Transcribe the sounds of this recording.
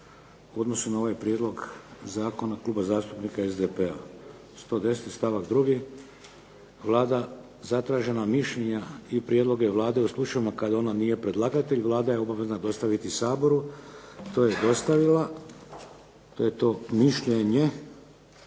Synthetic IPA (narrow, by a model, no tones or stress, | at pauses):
uo̞d̪no̞sunao̞ʋajpɾjed̪lo̞ɡzaːko̞naklˠuːbazaːst̪upnikaezd̪epe̞a̰ | st̪o̞ːd̪e̞set̪st̪aʋakd̪ɾuɡi | ʋlˠaːd̪a | zat̪ɾaːʒe̞namiʃʎeɲaipɾjed̪lˠo̞ɡe̞ʋlˠaːd̪e̞uslˠut͡ʃaʋimakad̪ao̞naniːje̞pɾe̞d̪lˠaɡat̪e̞ʎʋlˠaːd̪ajeo̞baʋe̞znad̪o̞st̪aʋit̪isaːbo̞ɾut̪o̞ːje̞d̪o̞st̪aʋila | t̪oːjet̪o̞ːmiʃʎe̞ɲe̞